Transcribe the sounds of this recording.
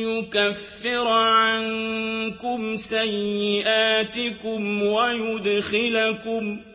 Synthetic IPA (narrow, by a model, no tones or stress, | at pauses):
jʊkafːɪɾʕankʊmsajːɪʔaːt̪ɪkʊmwajʊd̪xɪlakʊm